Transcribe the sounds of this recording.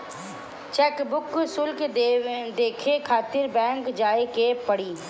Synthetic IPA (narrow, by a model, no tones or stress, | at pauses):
t͡ʃɛːkbʊksʊlk | d̪eːkʰekʰaːt̪ɪɾbɛ̃ːŋkd͡ʒaːekepɐɽiː